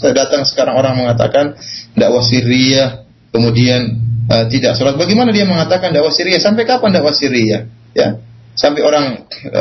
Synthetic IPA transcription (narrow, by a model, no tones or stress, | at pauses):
dat̪aŋsə̥kaɾaŋoɾaŋməŋat̪a̰kandaʔwasiɾiah | kəmudianət̪idaʔsuɾat̪̚baɡɛmanadiaməŋat̪akandaʔwasiɾiasampajkapandaʔwasiɾiah | ja̰ | sampajoɾaŋ̰